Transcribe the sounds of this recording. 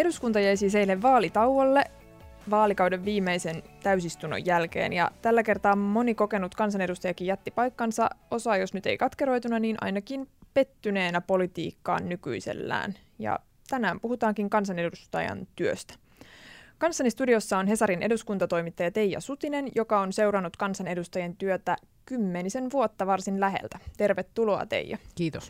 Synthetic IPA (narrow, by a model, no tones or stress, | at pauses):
e̞ɾuskunt̪ɑjæjsiːse̞ilːeʋːɑːlit̪ɑuwʋolːe̞ | ʋɑːlikɑwde̞ʋːiːmːejse̞nt̪æysist̪uno̰jːælk̟ḛːnjɑ̰t̪ælːæke̞rt̪ɑːmo̞niko̞ke̞nut̪kɑns̬ɑne̞dust̪ɑjɑkijjɑt̪ːipɑjkːɑnsɑ̰o̞sɑːjo̞snyt̪e̞̰ikɑt̪ke̞ɾo̞jt̪unɑniːnʔɑ̰jnɑkinpe̞t̪ːyne̞ːnæpo̞lit̪ḭːkːɑ̰ːnːyky̰ise̞̰lːæ̰ːn | jɑ̰ | t̪ænæːmpuhut̪ɑːŋkiŋkɑns̬ɑnedust̪ɑ̰jɑ̰nt̪yøst̪æ̥ | kɑnsːɑnist̪udio̞sːɑonɦe̞sɑɾinʔe̞duskunt̪ɑt̪o̞jmit̪ːɑjɑt̪e̞jːɑ̰sut̪ine̞njo̞kɑo̞nse̞wɾɑnːut̪kɑnsɑne̞dust̪ɑjɑnt̪yøt̪æ | kymːenise̞nʋuot̪ːɑʋɑrsinlæɦḛlt̪æt̪e̞rʋet̪ːuloɑ̰t̪e̞̰jjːɑ̰kiːt̪os